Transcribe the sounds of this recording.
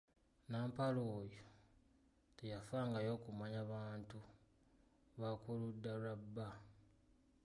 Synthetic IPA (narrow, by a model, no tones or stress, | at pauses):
naːmpaloːjo | tejafaːŋɡajo̞ːkumaɲaβaːntu | βakuludːalabːa